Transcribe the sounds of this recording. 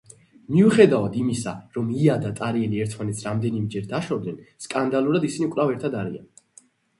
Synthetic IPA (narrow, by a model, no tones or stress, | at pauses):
miuχɛd̪avad̪imisa̰ɾɔmiad̪at̪ʼaɾiɛliɛɾt̪ʰmanɛt̪sʰɾamd̪ɛnimɛd͡ʒɛɾd̪aʃɔd̪nɛnskʼand̪alˠuɾad̪isinikʼɾavɛɾt̪ʰad̪aɾḭa̰n